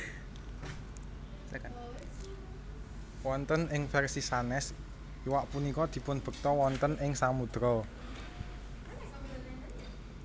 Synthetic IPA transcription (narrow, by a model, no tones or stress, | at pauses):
wɔnt̪ənɪŋfɛrsisanɛs | iwaʔpunikɔd̪̥i̤pʊnb̥ə̤k̚t̪ɔwɔnt̪ənɪŋsamud̪̥ɾɔ